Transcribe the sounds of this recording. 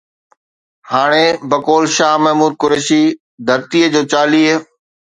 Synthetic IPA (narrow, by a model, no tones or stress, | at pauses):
haːɽ̃ebɐkoːlʃaːɦmɐɦmuːɾ̚kʊɾeːʃi | d̪ʱɐɾt̪iːəd͡ʑoːt͡ɕaːliːɦ